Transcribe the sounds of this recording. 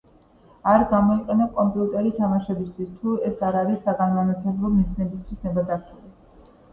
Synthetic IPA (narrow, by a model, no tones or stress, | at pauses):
aɾɡamɔiqʼɛnɛp̚kʼɔmpʼiut̪ʼɛɾit̪ʰamaʃɛbist̪ʰwist̪ʰuɛsaɾaɾisːaɡananat̪ʰɛbɾɔmiznɛbist̪ʰwisnɛbad̪aɾt̪ʰuli